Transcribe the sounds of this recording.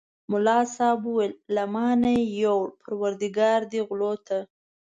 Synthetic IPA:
mʊlɑsɑbuwelːamɑnajawɽpʰaɾwaɾd̪iɡɑɾd̪iɣlot̪ʰa

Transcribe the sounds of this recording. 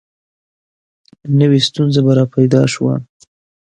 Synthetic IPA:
nəwest̪unzabaɾɑpajd̪ɑʃwa̰

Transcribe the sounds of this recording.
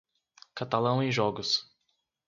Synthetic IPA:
kat̪alɐ̃w̃ẽj̃ʒɔɡʊs

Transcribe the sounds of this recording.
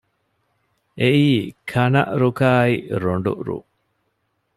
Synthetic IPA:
ʔeʔiːkʰɐnɐ̰ʔɾukaːiɾoɳɖṵʔɾṵ

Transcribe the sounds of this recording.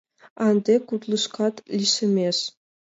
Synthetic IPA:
ɑnd̪ʲekut̪lˠɤʃkɑt̪lʲiʃɘ̆mʲeʃ

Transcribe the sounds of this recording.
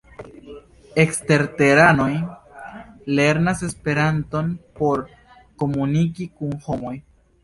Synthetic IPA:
e̞kste̞ɾte̞ɾano̞j | le̞ɾnase̞spe̞ɾanto̞npo̞ɾ | ko̞munikikunho̞mo̞j

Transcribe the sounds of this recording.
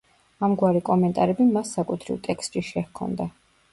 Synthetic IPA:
amɡwaɾikʼɔmɛnt̪ʼaɾɛbimasːakʼut̪ʰɾḭvt̪ʼɛkst̪ʼʃiʃɛhkʰɔ̰nd̪a

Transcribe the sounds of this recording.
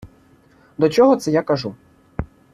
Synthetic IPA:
d̪ɔt͡ʃɔɦɔt̪sɛjakaʐu

